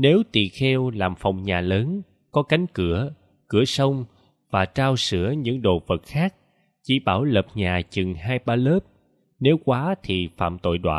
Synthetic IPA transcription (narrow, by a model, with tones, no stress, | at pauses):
ne˨˦wt̪ḭ˧˨xɛ˧wlaː˨˩mfa˨˩wŋ͡mɲaː˨˩ləː˨˦n | kɔ˨˦ka˨˦jŋ̟kɨ˧˩ə | kɨ˧˩əsə˧wŋ͡m | vaː˨˩t͡ɕaː˧wsɨ̰˧˥əɲɨ̰˧˥ŋɗo̰˧˨˩və˨˩t̚xaː˦˥k̚ | t͡ɕi˧˩ɓaː˧˩wlə˨˩p̚ɲaː˨˩t͡ɕɨ˨˩ŋɦaː˧jɓaː˧ləː˦˥p̚ | ne˨˦wkwaː˨˦t̪ʰi˨˩fa̰ː˧˨mt̪o̰˧˨jɗwa̰ː˧˨